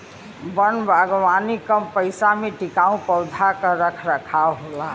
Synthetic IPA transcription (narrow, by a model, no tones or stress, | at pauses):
bənbʱaɡʋanikəmpəɪsameʈikaũpəʊd̪ʱakəɾəkʰɾəkʰaɦola